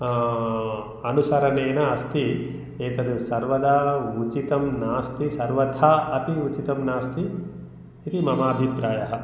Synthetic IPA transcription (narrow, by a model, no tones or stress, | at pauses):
ɐnusɐɾɐneːnɐɐst̪i | eːt̪ɐd̪usɐɾʋɐd̪aːut͡ʃit̪ɐmnaːst̪isɐɾʋɐt̪ʰaːɐpiut͡ʃit̪ɐmnaːst̪iː | t̪imɐmaːbʱipɾaːjɐɦɐ̆